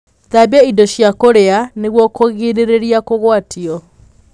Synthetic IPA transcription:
ðabaidɔɕjakoɾeaneɣwɔkoɣiɾeɾeɾiakoɣwatʰiɔ

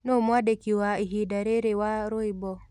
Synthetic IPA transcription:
nomwadekiwaiɦidaɾeɾewaɾoibɔ

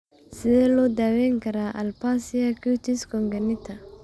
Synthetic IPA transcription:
sɪðɛːlɔːd̪aːwɛŋkʰɐɾaːʔɐlpaːsɪjakut̪iskɔŋɡɐnɪt̪ʰɐ

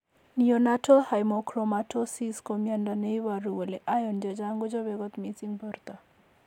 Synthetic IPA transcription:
nijɔnatʰɔhajmɔkʰɾomaʈʰosiskɔmjandanejwaɾuɔleʔajɔnd͡ʒad͡ʒaŋɡud͡ʒɔbeɡɔt̪mitiŋbʱɔɾt̪a

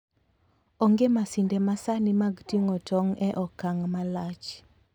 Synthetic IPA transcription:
ɔŋɡemasindemasanɪmaɡtieŋotɔŋɛʔɔkaŋmalat͡ʃ

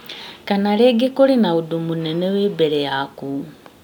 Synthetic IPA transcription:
kanaleɡekolinaudumunenewebeɾejaku

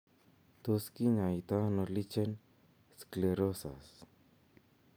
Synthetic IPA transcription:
t̪oskiɲajit̪anolit͡ʃen | skleɾosa̰s

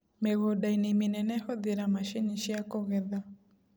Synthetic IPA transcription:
meɣɔdainimenɛnɛhɔðeɾamaʃiɲiʃiakɔɣɛða

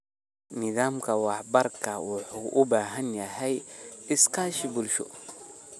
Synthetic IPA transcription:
nɪðaːmkʰɐwɑħbɐrkʰɐwʊħuːʔʊbaːɦɐnjɐɦɛjɪskʰaːʃɪbʊlʃɔ̰

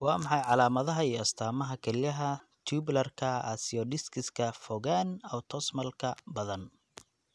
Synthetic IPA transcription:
wɑːmɑħɑjʕɑlaːmɐðɐɦɐiːɐst̪ʰaːmɐɦɐkʰɐlɪjɐɦɐ | t̪ʰuːblɐrkʰɐa̰sɪɔɖɪskʰɪskʰɐfɔɣaːnɔːt̪ʰɔsmɐlkʰɐbɐðɐn

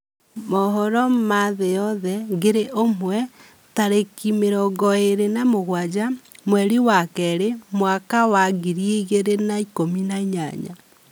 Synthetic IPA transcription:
mɔɦɔɾɔmaðejɔðɛɣeɾeʔomwɛ | taɾekimeɾɔɡɔeɾenamoɣwad͡ʒamwɛɾiwakɛɾemwakawaɣiɾieɣeɾenaikominaɲa̰ɲa̰

